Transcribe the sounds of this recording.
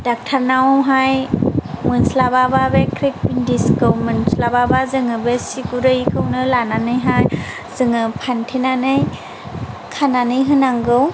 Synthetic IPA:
dak̚tʰaɾnawwɦajmɯnslabababekʰɾik̚bindiskɯwmɯnslababazɯŋɯbesikuɾɯjkʰɯwnɯlananɯjɦaj | zɯŋɯpʰantʰenanɯj | kʰananɯjɦɯnaŋɡɯw

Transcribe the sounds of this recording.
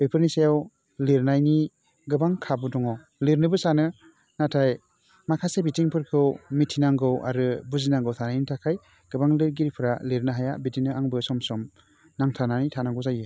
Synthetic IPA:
bepʰɯɾnisajaw | leɾnajni | ɡɯbaŋkʰabɯdɔŋɔ | leɾnɯbɯsanɯ | natʰaj | makʰasebitiŋpʰɯɾkʰɯwmitʰːinaŋɡɯwʔa̰ɾɯbuzinaŋɡɯwtʰanajnitʰakʰaj | ɡ̥ɯbaŋliɾɡiɾipʰɯɾaliɾnɯɦajabitinɯaŋbɯsɔmsɔm | naŋtʰananitʰanaɡɯwzajɯ

